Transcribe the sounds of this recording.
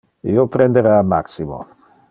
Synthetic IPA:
ḭopɾend̪eɾaːma̰ksimo̰

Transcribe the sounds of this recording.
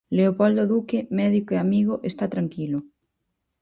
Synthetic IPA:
leopɔld̪oðukemɛðikoeamiɣ̞oʔest̪at̪ɾaŋkilo

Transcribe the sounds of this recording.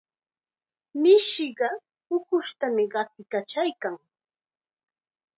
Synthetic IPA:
mɪʃɪɢɑ | ʊkʊʃt̪amɪɢɑp̚ɪkat͡ʃajkaŋ

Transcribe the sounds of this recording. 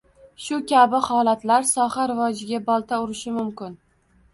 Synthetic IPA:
ʃʊkʲʰabɪhɒlat̪laɾsɒχhaɾɪvɒd͡ʒɪɡʲabɒlˠt̪ʰaʊɾɪʃɪmʊmkʲɪn

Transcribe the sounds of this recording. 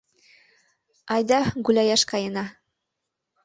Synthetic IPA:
ɑjd̪ɑɡʉlæjæʃkɑjɤ̆nɑ

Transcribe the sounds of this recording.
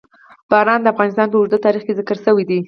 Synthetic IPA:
b̥ɑɾɑnd̪əafɣɑnɪst̪ɑnpəʊʒd̪ət̪ɑɾixkezɪkəɾsəwid̪i

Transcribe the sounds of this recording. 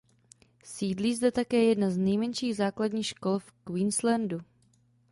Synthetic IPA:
siːdliːzdɛt̪akɛːjɛdnaznɛjmɛnʃiːɣzaːkladɲiːxʃkolfkwiːnslɛndu

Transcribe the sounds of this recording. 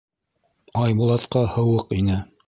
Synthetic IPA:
ɑjbulˠɑt̪qɑhɤ̆wɤqinɘ

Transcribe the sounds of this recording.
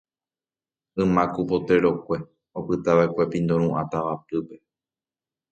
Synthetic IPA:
ɨ̃mãkupo̞t̪e̞ɾo̞kʷe̞ | opɨt̪aʋaekʷe̞pĩnd̪õɾ̃ũʔãt̪aʋapɨpe̞

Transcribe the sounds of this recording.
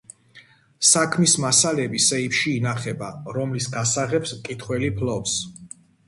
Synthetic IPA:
sakʰmismasalɛbisɛipʃiːnaχɛbaɾɔmlisɡasaʁɛpskʼit̪ʰχwɛlipʰlɔps

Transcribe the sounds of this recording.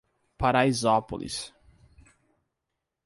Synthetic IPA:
paɾaizɔpo̰lḭs

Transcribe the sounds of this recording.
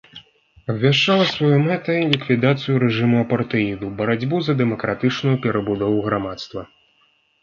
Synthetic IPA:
ɐbʲvʲaʂt͡ʂːalˠɐsvajumɛt̪ɐilʲikvʲid̪at̪sɨjuɾɛʐɨmuɐpɐrt̪ɨid̪ubɐɾad͡zʲbuzɐd̪ɛmɐkɾat̪ɨt͡ʂnujupʲɛɾɐbud̪ɔvuɣɾamat̪st̪vɐ

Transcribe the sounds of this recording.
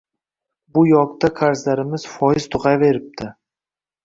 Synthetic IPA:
bʊjɒkt̪ʰakʰaɾzlaɾɪmɪz̥fɒjɪz̥t̪ʰʊʁɑjve̞ɾɪp̚t̪ʰɪ

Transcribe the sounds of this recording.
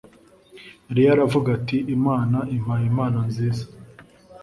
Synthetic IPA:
ɾijaɾavuɡatiʔːmaːnaʔim̥ajimaːnanziːza

